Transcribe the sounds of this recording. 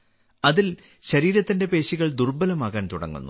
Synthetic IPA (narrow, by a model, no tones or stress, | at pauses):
ɐðil | ɕɐɾiːɾɐt̪ːinde̞pe̞ːɕiɣɐɭd̪urbɐlɐmaːɣaːnt̪uɽɐ̰ŋːṵnːṵ